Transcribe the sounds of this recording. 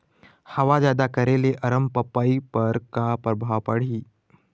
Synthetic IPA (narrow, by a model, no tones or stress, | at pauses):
həʋad͡ʑad̪akəɾeleʔəɾəmpəpaipəɾkapɾəbʱaʋpəɽ̤iː